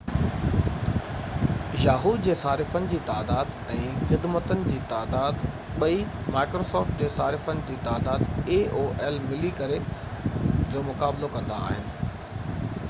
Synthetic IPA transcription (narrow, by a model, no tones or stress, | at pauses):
jaːɦuːd̪d͡ʑeːsaːɾɪfənɪ̆d͡ʑiːt̪aːd̪aːd̪ | ɛ̃ːxɪd̪mət̪ənɪ̆d͡ʑiːt̪aːd̪aːd̪ | ɓɐimaːɪkɾoːsɔːɾfʈd͡ʑeːsaːɾɪfənɪ̆d͡ʑiːt̪aːd̪aːd̪eːoːʔɛlmɪlikɐɾe | d͡ʑoːmʊkaːblokɐ̃nd̪a̰ːɦɪnɪ̆